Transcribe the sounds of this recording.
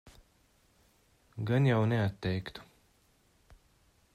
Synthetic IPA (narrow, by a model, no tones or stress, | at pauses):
ɡanjawnɛat̪ːɛjkt̪u̥